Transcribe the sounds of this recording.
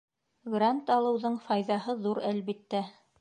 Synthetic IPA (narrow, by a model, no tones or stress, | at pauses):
ɡrant̪ɑlˠɤ̆wðɤɴfɑjðɑhɤðuɾælβit̪ːæ